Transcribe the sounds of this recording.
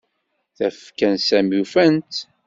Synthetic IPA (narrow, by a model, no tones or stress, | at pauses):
θæfkænsæmjufænt̪